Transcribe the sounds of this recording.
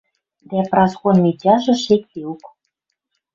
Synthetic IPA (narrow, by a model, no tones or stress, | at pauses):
d̪æprɑskonmʲitʲɑʒɤ̆ʃek̚t̪euk